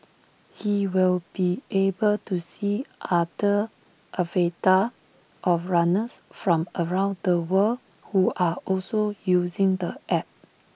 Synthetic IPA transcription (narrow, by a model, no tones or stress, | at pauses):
hiwilbiʔebəltusiʔadə | ʔəveta | ʔɔfɹanəsfɹɔ̃məɹãʊ̃ndəwəl | huʔaʔɔlsojuzɪ̃ŋdəʔɛp̚